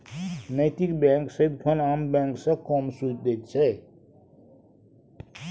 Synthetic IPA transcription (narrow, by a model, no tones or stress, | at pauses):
nəɪt̪ikbɛ̃ŋksəid̪pʰəlambɛ̃ŋksə̃kɔmsut͡ʃ̚d̪et̪̚t͡ʃʰɛ